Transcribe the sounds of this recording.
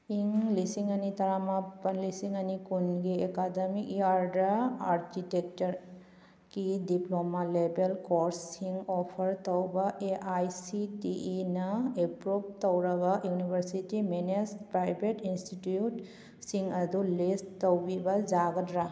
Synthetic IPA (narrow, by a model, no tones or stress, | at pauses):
iŋlisiŋanit̪ɐɾamapənlisiŋanikunɡeekad̪əmikiaɾdaaɾkitek̚təɾ | kidiplɔmalebelkɔɾsiŋɔpʰəɾt̪ɔwbaʔeʔajsitiʔinaepɾop̚t̪ɔwɾabajunibʱəɾsitimenespɾajbeʈinstitjut | siŋad̪ulest̪əwbibazaɡətɾa